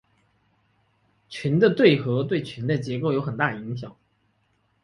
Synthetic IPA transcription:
t͡ɕʰy˧˥nd̪ə˧t̪we˥˩ɪxɤ˧˥t̪we˥˩ɪt͡ɕʰi˧˥nd̪ə˥˧t͡ɕjɛ˧˥ko˥˩ʊjo˧˥xə˨˩nt̪a˥˩i˧˥ŋɕ̬jɑ˨˩˦ŋ

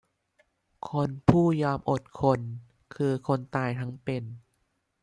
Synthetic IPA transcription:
kʰo˧npʰuː˥˩jɔː˧mʔo˨˩t̪̚kʰo˧n | kʰɯː˧kʰo˧nt̪aː˧jt̪ʰa˦˥ŋpe˧n

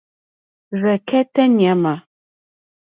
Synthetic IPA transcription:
zɛ˨kɛ˦tɛ˦ɲɛ˨˦ma˨

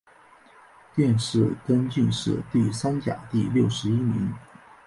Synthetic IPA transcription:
t̪jɛ˥˧nʂɻ̩˥˩kə˥nt͡ɕy˥˧nʂɻ̩˥˧t̪i˥˩sa˥nt͡ɕja̰˨˩t̪i˥˧ljo˥˩ʊʂɻ̩˧˥i˥mḭ˧˥ŋ

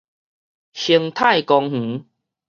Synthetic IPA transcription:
ɕi˧ŋt̪ʰa˥˨jkɔ˧ŋh̩˨˦

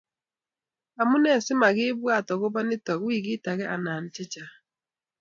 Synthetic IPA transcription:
a˨mʊ˦nɛ˨sɪ˦ma˨ɣɪ˦bwa˦˨tɔ˨ɣʊ˦ba˦nɪ˦tɔ˨ɣi˦˨ɣɪ˦ta˨ɣɛ˦ʔa˨na˨n̩˨t͡ʃɪ˦t͡ʃa˦

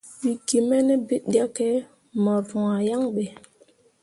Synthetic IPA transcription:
wi˨ki˨mɛ˦nɛ˦bi˦ɗja˦ke˦ | ma˨vɔ̃˨ŋa˨ja˦ŋɓe˨

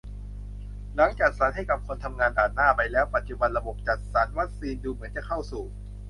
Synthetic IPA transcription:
la˩˦ŋt͡ɕa˨˩t̪̚sa˩˦nɦa˥˩jka˨˩p̚kʰo˧nt̪ʰa˧mŋaː˧ndaː˨˩nːaː˥˩pa˧jlɛː˦˥˩wpa˨˩t̪̚t͡ɕu˨˩ba˧nla˧bo˨˩p̚t͡ɕa˨˩t̪̚sa˩˦nwa˦˥t̪̚siː˧nduː˧mɯ˩˦ənt͡ɕa˨˩kʰa˥˩wsuː˨˩

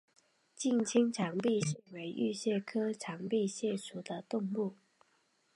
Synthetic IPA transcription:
t͡ɕi˥˩ŋt͡ɕʰi˥ŋʈ͡ʂʰɑ˧˥ŋpi˥˧ɕjɛ˥˩we˧˥ɪʔy̰˥˧ɕjɛ˥˩kʰɤ˥ʈ͡ʂʰɑ˧˥ŋpi˥˧ɕjɛ˥˩ʂu˨˩d̪ə˦t̪ʊ˥˧ŋpu˥˩

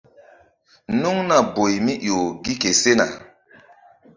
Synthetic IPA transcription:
nu˦ŋna˨bo˨jmi˦ʔo˨ɡi˦ke˨se˦na̰˨

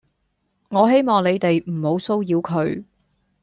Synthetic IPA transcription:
ŋɔː˨˧ɦe˥jmɔː˨˩ŋle˨˧jt̪e˨jm̩˨˩ho˨˧wso˥wjiː˨˧wkʰɵ˨˧ɥ

